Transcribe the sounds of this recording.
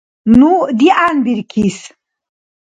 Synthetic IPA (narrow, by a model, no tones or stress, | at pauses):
nud̪iʔanbiɾkʰis